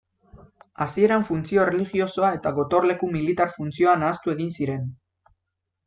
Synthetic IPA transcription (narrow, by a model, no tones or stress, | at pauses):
asie̞ɾaɱfunt͡sio̞reliɣio̞so̞ae̞t̪aɣo̞t̪o̞rle̞kumilit̪aɾfunt͡sio̞anaːst̪ue̞ɣinsiɾe̞n